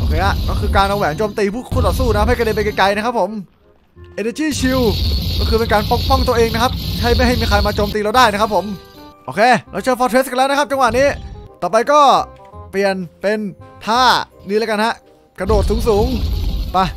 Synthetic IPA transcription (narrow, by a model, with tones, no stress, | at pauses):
ʔoː˧kʰeː˧ʔa˧˩kɔː˥˩kʰɯː˧kaː˧nlɔː˧wɛː˩˦ŋt͡ɕoː˧mt̪iː˧pʰuː˥˩kʰuː˧˥˩suː˥˩na˦˥a˦˥pha˥˩kde˧˩pe˧ka˧jka˧jna˦˥kʰpʰːo˩˦m | ʔeː˧naː˧˩t͡ɕiː˥˩t͡ɕʰi˧wkkɔː˥˩kʰɯː˧pe˧nkaː˧npo˦˥k̚pɔ˥˩ŋt̪u˧əʔeː˧ŋna˥kʰa˦˥p̚kʰa˥˩jma˥˩jɦa˥˩jmiː˧kʰaː˧jmaː˧t͡ɕoː˧mt̪iː˧la˧wdaː˥˩jna˦˥kʰpʰːo˨˩˦mʔoː˧kʰeː˧ɾa˧˩t͡ɕʰɯ˧fɔː˧˥t̪ʰwe˦˥st̚ka˧nlɛː˦˥nʰ˦˥a˦˥p̚t͡ɕa˧ŋwa˨˩niː˦˥˩t̪ɔː˨˩pa˧jkɔː˥˩pli˨˩ənpe˧nt̪ʰaː˥˩niː˦˥lɛː˦˥ka˧nha˦˥ʔ | kɾa˧doː˨˩t̪̚suː˩˦ŋsuː˩˦ŋpa˧˩